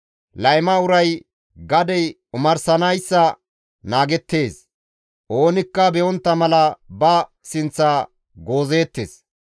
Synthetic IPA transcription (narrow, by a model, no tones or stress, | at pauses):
lɐjmɐʊɾɐj | ɡɐd̪ɛj | ʊmɐɾsɐnɐjsːɐ | naːɡɛt̪ːe̞ːs | ʔo̞ːnɪkːɐbɛʔɔnt̪ːɐmɐlɐbɐ | sɪnt͡sːaː | ɡo̞ːze̞ːt̪ːḛːs